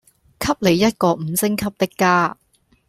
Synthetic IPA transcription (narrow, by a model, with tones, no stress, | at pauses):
kʰɐ˥p̚le˨˧jːɐ˥t̚kɔː˧m̩˨˧˦sɪ˥ŋkʰɐ˥p̚t̪ɪ˥kːaː˥